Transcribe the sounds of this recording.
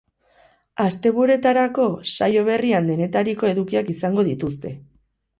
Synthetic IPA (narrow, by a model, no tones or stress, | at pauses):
ast̪e̞βuɾe̞t̪aɾako̞sajo̞β̞e̞riand̪e̞ne̞t̪aɾiko̞e̞ðukiakisaŋɡo̞ðit̪ust̪e̞